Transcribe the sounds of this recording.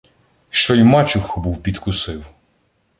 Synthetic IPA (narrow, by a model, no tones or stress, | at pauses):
ʃt͡ʃɔjmɑt͡ʃʊxɔbuwpʲid̪kʊsɪw